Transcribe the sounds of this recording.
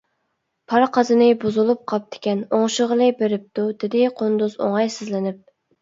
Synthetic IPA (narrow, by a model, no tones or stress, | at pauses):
pʰɑɾqʰɑzɨnɨbuzulˠup̚qʰɑp̚d̪ɪ̥kʲɛnoŋʃʊʁəlˠɨbeɾɪp̚t̪ud̪ɪd̪ɪqʰond̪uzo̰ŋɑjsɪzlɪnɪp̚